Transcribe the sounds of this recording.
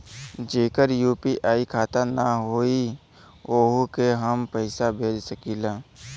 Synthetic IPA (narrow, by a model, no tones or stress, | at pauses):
d͡ʒeːkəɾjuːpiʔaːikʰaːt̪anaɦoːi | oːɦkeɦəmpəɪsabʱeːd͡ʒsəkiːlaː